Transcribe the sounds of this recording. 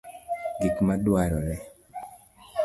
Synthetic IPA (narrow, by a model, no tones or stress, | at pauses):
ɡikmadwaɾɔɾɛ